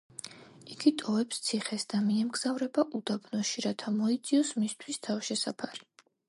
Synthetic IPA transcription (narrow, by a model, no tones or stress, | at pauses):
iɡit̪ʼɔvɛpst̪sʰiχɛsd̪̥amiɛmɡz̥avɾɛbaʔud̪abnɔʃiɾat̪ʰamɔit̪sʼiɔsmist̪ʰwist̪ʰafʃɛsapʰaɾi